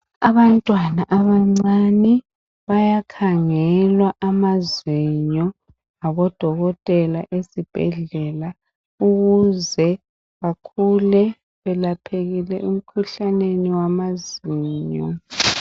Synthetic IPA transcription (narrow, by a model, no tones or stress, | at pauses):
aβantʼwanaʔaβaŋ͡ǀanɛ | βajakʰaŋɛlwaʔamaziɲɔ | ŋaβɔd̥ʱɔɣɔtʼɛlaʔesib̥ʱɛ̰ɮɛla | uɣuzɛ | ɣakʰulɛ | βɛlapʰeɣilɛum̩kʰuɬaneniwamaziːɲɔ̰